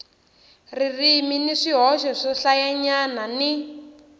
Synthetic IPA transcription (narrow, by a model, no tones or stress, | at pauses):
ririminiʂiɦɔʃɔʂɔɬajaɲanani